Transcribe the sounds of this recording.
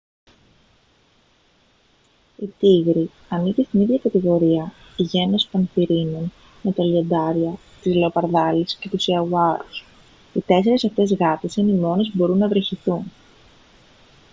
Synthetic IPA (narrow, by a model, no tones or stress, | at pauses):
it̪iɣɾi | ɐnicest̪iniðʝɐkɐt̪iɣo̞ɾiɐ | iʝe̞nːespenθiɾinon | me̞t̪ɐlie̞nd̪ɐɾiɐ | t̪izleo̞pɐɾðɐlisce̞t̪usiɐwɐɾus | it̪e̞se̞ɾe̞sɐft̪e̞zɣɐt̪isɐnimo̞ne̞zbo̞ɾunːɐvɾeçiθun